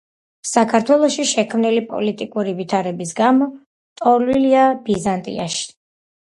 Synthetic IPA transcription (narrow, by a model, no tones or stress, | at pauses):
sakʰaɾt̪ʰwɛlˠɔʃiʃɛkʰmnilipʼɔ̰lit̪ʼikʼuɾivit̪ʰaɾɛbisɡamɔ | t̪ʼɔɾliliabizant̪ʼḭa̰ʃi̥